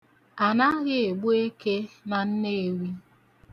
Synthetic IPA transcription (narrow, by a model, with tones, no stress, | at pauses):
a˨na˦ɣɪ˦e˨ɡ͡bo˦e˦ke˦na˨n̩˦ne˦e˨wi˦